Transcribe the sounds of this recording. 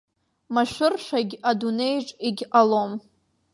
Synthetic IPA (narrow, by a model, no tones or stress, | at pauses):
maʃʷʊrʃʷaɡʲadune̞jʈ͡ʂʼiɡʲʔalom